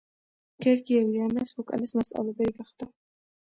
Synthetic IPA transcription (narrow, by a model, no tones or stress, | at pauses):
ɡ̥ɛɾɡiɛviamɛsbɔkʼa̰lɛsmasʼa̰lɛbɛɾiɡaχd̪̥a